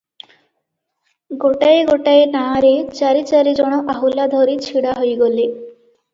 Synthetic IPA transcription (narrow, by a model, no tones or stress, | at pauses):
ɡoʈajeɡoʈaenaɾet͡ʃaɾit͡ʃaɾid͡ʑɔɽ̃ɔʔaɦulad̪ʱoɾit͡ɕʰiɽaɦojɡole